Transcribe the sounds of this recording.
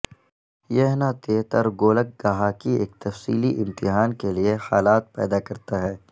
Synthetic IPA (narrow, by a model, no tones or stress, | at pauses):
jɛɦnat̪eːt̪əɾɡoːlək̚ɡaɦaːkiḛːk̚t̪ɐfsḭːliʔɪ̃mt̪ɪɦaːnkeliehaːlaːt̪̚pɛ̰ːd̪akɐɾt̪aɦɛː